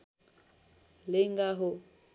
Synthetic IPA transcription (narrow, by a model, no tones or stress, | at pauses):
lɪŋɡaɦʊ